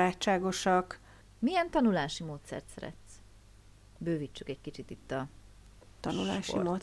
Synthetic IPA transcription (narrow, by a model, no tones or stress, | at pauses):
aːt͡ʃːaːɡo̞ʃɒk | mijɛnt̪ɒnulaːʃimoːt̪sɛ̰rt̪sɛɾɛ̰t̪s | bøːvit͡ʃːykɛckit͡ʃit̪it̪ːɒ | t̪ɒnula̰ːʃimoː